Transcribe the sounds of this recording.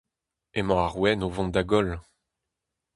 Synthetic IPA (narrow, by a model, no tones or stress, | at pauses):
emɑ̃aʁwɛnovɔ̃nd̪aɡɔl